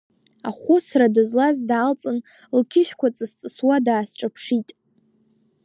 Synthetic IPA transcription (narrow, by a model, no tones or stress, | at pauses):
aχʷʊsradɨzlazdaːlt͡sʼɨn | lkʲʰɪʃᶣkʷat͡sʼɨst͡sʼɨswadaːsʈ͡ʂʼapʰʂitʼ